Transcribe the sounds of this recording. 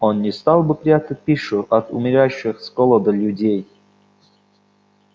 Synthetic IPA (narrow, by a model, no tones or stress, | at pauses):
onːʲɪst̪ɑlˠbɨpɾʲat̪ət̚ʲpʲiʂʊʔɐt̪ṵmʲɪɾʲaɕːɨxskolˠəd̪əlʲudʲej